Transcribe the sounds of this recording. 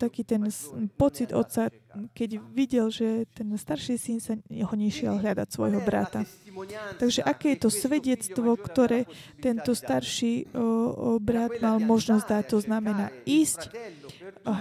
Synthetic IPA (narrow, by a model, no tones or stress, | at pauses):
t̪akiːt̪ɛnpɔt͡sid̪ɔ̰t̪sa | kɛɟʋiɟɛlʒɛt̪ɛnst̪aɾʃisinsaɛɦɔɲɛʃɪɛ̰lɦʎad̪a̰csʋɔ̰jɦɔbɾa̰t̪a | t̪aɡʒɛʔakɛːjɛt̪ɔsʋɛɟɛt͡st̪ʋɔkt̪ɔɾɛː | t̪ɛnt̪ɔst̪aɾʃiː | bɾad̪malmɔʒnɔzd̪ac̚t̪ɔznamɛnaːiːsc